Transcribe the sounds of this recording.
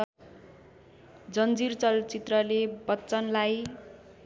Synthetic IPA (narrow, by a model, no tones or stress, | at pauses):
d͡zʌnd͡zirt͡sʌlt͡sit̪rʌlebʌtːt͡sʌnlaj